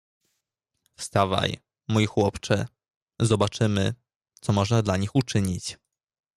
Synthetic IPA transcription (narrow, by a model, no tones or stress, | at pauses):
st̪ava̰j | mujixwɔpt͡ʂɛ | zɔbat͡ʂɘmɘ | t̪sɔmɔʐnad̪laɲixut͡ʂɘɲit͡ɕ